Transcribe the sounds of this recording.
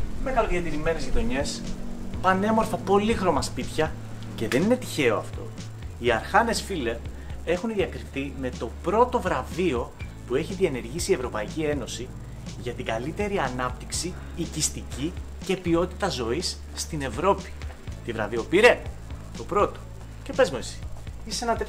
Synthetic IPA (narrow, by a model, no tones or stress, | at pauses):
meɣɐloðiɐt̪iɾime̞nezʝitðo̞ɲe̞spɐne̞mo̞ɾfɐpo̞lixɾo̞mɐspit̪çɐ | ce̞ðe̞nine̞t̪i̥çe̞o̞ɐft̪o̞̰ | iɐɾxɐne̞sfilep | e̞xunðiɐkɾiθime̞t̪o̞pɾo̞t̪o̞vɾɐvio̞ | pue̞çiðie̞ne̞ɾʝisiːe̞vɾo̞pɐicie̞no̞si | ʝɐt̪iɡɐlit̪e̞ɾiɐnɐp̚t̪iksiː | cist̪ici | ce̞pio̞t̪i̥t̪ɐzo̞isːt̪ine̞vɾo̞pi̥ | t̪ivɾɐ̰vio̞piɾe | t̪o̞pɾo̞t̪o̞̥ | ce̞pe̞zmuesi̥isenɐt̪e